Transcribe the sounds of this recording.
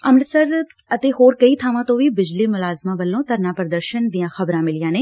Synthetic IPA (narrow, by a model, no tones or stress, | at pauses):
əmnsəɾ | ət̪eːhoːɾkəiːt̪ʰaːʋãːt̪õːʋiːbɪd͡ʒliːmʊlaːzmãːʋəlːõːt̪əɾnaːpɾəd̪əɾʃənd̪ijãːxəbɾãːmɪlɪjãːneː